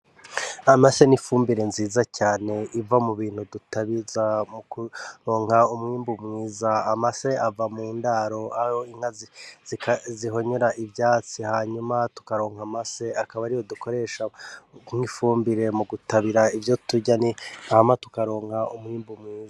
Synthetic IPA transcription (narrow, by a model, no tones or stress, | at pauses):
amase̞nifuːmbiɾe̞nziːzacaːne̞ivamuβiːn̥hudutaβizamukuɾo̞ːŋhaumŋiːmbumŋiːzaːmase̞avamuːndaɾo̞ahoiŋ̥haziziziɦo̞ɲe̞ɾaʔibjaːt͡sihaːɲumatu̥kaɾo̞ːŋhamase̞akaβaɾijoduko̞ɾe̞ːʃamŋifuːmbiɾe̞muɡutaβiɾaivjo̞tuɟaniahmatu̥kaɾo̞ːŋhaumŋiːmbumŋiːza